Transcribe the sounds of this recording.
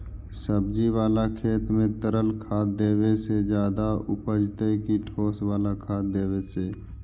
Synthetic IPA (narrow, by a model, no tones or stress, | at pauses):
səbd͡ʒiwaːlakʰeːt̪mẽt̪əɾəlkʰaːd̪eːwesed͡ʒjaːd̪aʊpəd͡ʒt̪əkiʈʰoːswaːlakʰaːd̪eːweseː